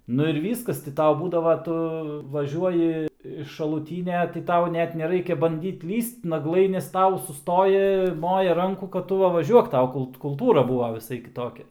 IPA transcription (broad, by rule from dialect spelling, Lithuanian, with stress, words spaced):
ˈnʊ ɪr ˈʋʲiːskɐs tʲɪ ˈtɐʊ ˈbuːdɐʋɐ ˈtʊ ʋɐˈʒʲuɔjɪ ɪʃ ʃɐlˠuːˈtʲiːnʲɛ tʲɪ ˈtɐʊ ˈnʲɛt nʲɛˈrɐɪkʲɛ bɐnʲˈdʲiːt ˈlʲiːst nɐˈɡlˠɐɪ nʲɛs ˈtɐʊ sʊˈstoːjɪ ˈmoːjɛ ˈrɐŋkuː kɐt ˈtʊ ˈʋɐ ʋɐˈʒʲuɔk ˈtɐʊ ˈkʊlˠt kʊlˠˈtuːrɐ ˈbuːʋɐ ʋʲɪˈsɐɪ kʲɪˈtoːkʲɛ